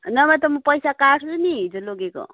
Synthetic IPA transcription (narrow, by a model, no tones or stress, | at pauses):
nʌmʌt̪ʌmʌpʌjsakaʈʰt͡suniɦid͡zoloɡeko̰